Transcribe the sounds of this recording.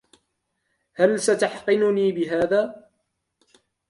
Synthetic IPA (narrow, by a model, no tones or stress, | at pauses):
halsat̪aħqɨnʊniːbɪɦaːðaː